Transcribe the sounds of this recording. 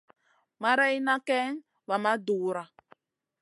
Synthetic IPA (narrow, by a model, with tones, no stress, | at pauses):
ma˦ɾɛ˦i˦na˦kɛ˦ŋ̩˦ | βa˨ma˦duː˨˦ɾa˦